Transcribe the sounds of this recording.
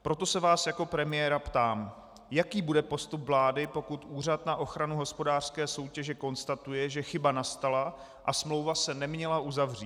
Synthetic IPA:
pɾo̞t̪o̞sɛvaːsjako̞pɾɛmɪjɛːɾapt̪aːm | jakiːbudɛpo̞st̪upvlaːdɪpo̞kut̪ʔuːr̝at̪naʔo̞xɾanuɦo̞spo̞daːr̥skɛːso̞wcɛʒɛko̞nst̪at̪ujɛʒɛxɪbanast̪ala | ʔasmlo̞wvasɛnɛmɲɛlaʔuzavr̝iː

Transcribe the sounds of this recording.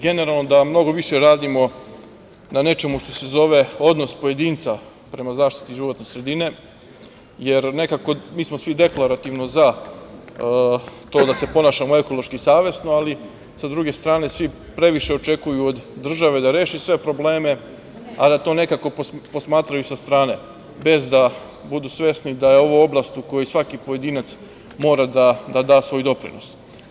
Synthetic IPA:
ɡe̞neɾalˠno̞d̪amno̞ɡo̞ʋiʃeɾaːd̪imo̞ | nane̞t͡ʃe̞muʃt̪o̞se̞zo̞ʋe̞o̞d̪no̞spo̞je̞d̪iːnt̪sa | pɾe̞mazaːʃt̪i̥t̪iʒiʋo̞t̪ne̞sɾe̞d̪ine̞ | je̞ɾne̞kako̞miːsmosʋid̪e̞klˠaɾat̪iʋnoza | t̪o̞ːd̪ase̞po̞naːʃamoe̞ko̞lˠo̞ʃkisaːʋjesnoali | sad̪ɾuɡe̞st̪ɾaːne̞sʋi | pɾe̞ʋiʃe̞ot͡ʃe̞kujuod̪ːr̩ʒaʋe̞d̪aɾeːʃisʋe̞pɾo̞ble̞ːme̞ | ad̪at̪o̞ːne̞kako̞popo̞smaːt̪ɾajusast̪ɾaːne̞ | be̞zd̪a | bud̪usʋje̞snid̪ajeo̞ʋoo̞blˠast̪ukojusʋakipoje̞d̪iːnat̪s | mo̞ːɾad̪ad̪ad̪aːsʋo̞jd̪o̞pɾḭno̞̰s

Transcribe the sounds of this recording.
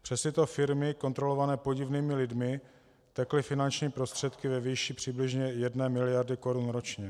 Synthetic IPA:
pr̝̥ɛst̪ɪt̪o̞fɪɾmɪko̞nt̪ɾo̞lo̞vanɛːpo̞ɟɪvniːmɪlɪdmɪ | t̪ɛklɪfɪnant͡ʃɲiːpɾo̞st̪r̥ɛt̪kɪvɛviːʃiːpr̝̥ɪblɪʒɲɛjɛdnɛːmɪlɪjaɾdɪko̞ɾunɾo̞t͡ʃɲɛ

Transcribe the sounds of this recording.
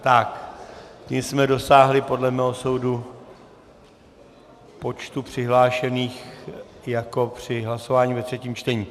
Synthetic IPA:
t̪akcimsmɛdo̞saːɦlɪpo̞dlɛmɛːɦo̞so̞wdu | po̞t͡ʃt̪upr̝̥ɪɦlaːʃɛniːxjako̞pr̝̥ɪɦlaso̞vaːɲivɛt̪r̝̥ɛciːmt͡ʃt̪ɛɲiː

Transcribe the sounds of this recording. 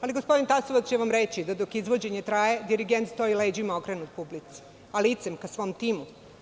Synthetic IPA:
aliɡo̞spo̞d̪int̪asoʋat͡s̪t͡ɕeʋamɾet͡ɕid̪ad̪okizʋo̞d͡ʑeɲet̪ɾajed̪iɾiɡent̪st̪o̞iled͡ʑimaokɾenut̪̚publit̪si̥ | alit̪semkasʋo̞ːmt̪iːmu

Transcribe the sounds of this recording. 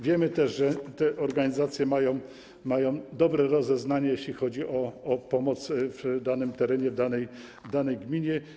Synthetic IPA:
vʲjɛmɘt̪ɛʐʐɛt̪ɛʔɔɾɡaɲizat̪sʲjɛmajɔ̃w̃ | majɔ̃w̃d̪ɔbɾɛɾɔzɛznaɲɛjeɕlʲixɔd͡ʑiʔɔːpɔmɔt̪svd̪anɘmt̪ɛɾɛɲɛvd̪anɛj | vd̪anɛjɡmʲiɲɛ

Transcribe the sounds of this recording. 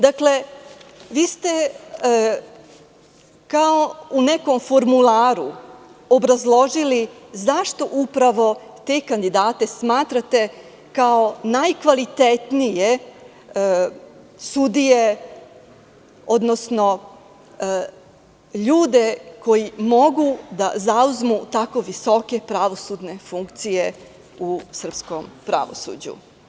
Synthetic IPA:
d̪akle̞ | ʋiːst̪e̞ | kao̞une̞ko̞mfo̞ɾmulaːɾuo̞bɾazlˠo̞ʒilizaʃt̪o̞ʔupɾaʋo̞ | t̪e̞ːkand̪id̪aːt̪e̞smaːt̪ɾat̪e̞ | kao̞najkʋalit̪et̪nije̞ | sud̪ije | o̞d̪nosno̞ | ʎuːd̪e̞ko̞jimo̞ɡud̪azauzmut̪ako̞ʋiso̞ke̞pɾaʋo̞sud̪ne̞fuŋkt̪sije̞ | usr̩psko̞mpɾa̰ʋo̞̰sṵd͡ʑṵ

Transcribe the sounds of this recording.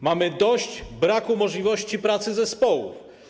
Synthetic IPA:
mamɘd̪ɔɕd͡ʑbɾakumɔʐlʲivɔɕt͡ɕipɾat̪sɘzɛspɔwuf

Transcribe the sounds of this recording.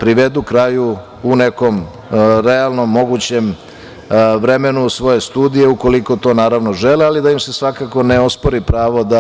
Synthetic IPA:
pɾiʋe̞d̪ukɾaju | une̞ko̞m | ɾealˠno̞mːo̞ɡut͡ɕe̞m | ʋɾeme̞nusʋo̞je̞st̪uːd̪ije̞uko̞liko̞t̪o̞ːnaːɾaʋno̞ʒelialid̪ajimse̞sʋakako̞ne̞o̞spo̞ɾipɾaːʋo̞d̪a

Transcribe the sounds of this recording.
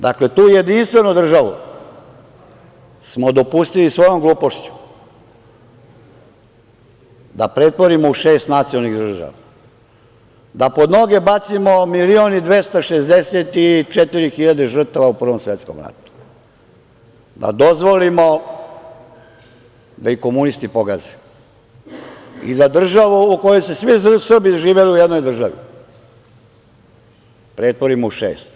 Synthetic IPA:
d̪akle̞t̪uːjed̪inst̪ʋe̞nud̪r̩ʒaʋṵ | smod̪o̞pust̪ilisʋo̞jo̞mɡlˠuːpoʃt͡ɕu̥ | d̪a̰pɾe̞t̪po̞ɾimouʃeːst̪nat̪siolniɣd̪r̩ʒa̰ʋa | d̪apo̞d̪no̞ɡe̞bat̪simomilionid̪ʋest̪aʃezd̪eset̪it͡ʂet̪iɾixiʎad̪eʒr̩t̪aʋaupr̩ʋomsʋet̪sko̰mɾa̰t̪u̥ | d̪a̰d̪ozʋolimo | d̪aikomunist̪ipoɡaze | ḭd̪ad̪r̩ʒaʋuukojojsesʋisr̩biʒiːʋeliujed̪nojd̪r̩ʒaʋḭ | pɾet̪ʋoɾimouʃḛːst̪

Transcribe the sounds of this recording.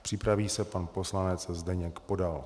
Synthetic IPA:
pr̥ɪpɾaviːsɛpanpo̞slanɛt͡szdɛɲɛkpo̞dal

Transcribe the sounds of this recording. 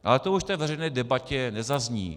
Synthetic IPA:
ʔalɛt̪ouʃft̪ɛːvɛr̝ɛjnɛːdɛbacɛnɛzazɲḭː

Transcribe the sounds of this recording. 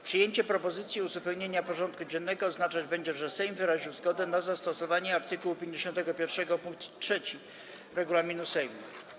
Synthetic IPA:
pʂɨjeɲt͡ɕɛpɾɔpɔzɘt̪sʲjiuzupɛwɲeɲapɔʐɔnt̪̚kud͡ʑɛnːɛɡɔːznat͡ʂad͡ʑbɛɲd͡ʑɛʐɛsɛjmvɘɾaʑiwzɡɔd̪ɛnazast̪ɔsɔvaɲɛaɾt̪ɘkuwupʲjeɲd͡ʑeɕɔnt̪ɛɡɔpʲjɛɾfʂɛɡɔpuŋk̚t̪ʂɛt͡ɕi | ɾɛɡulamʲinusɛjmu

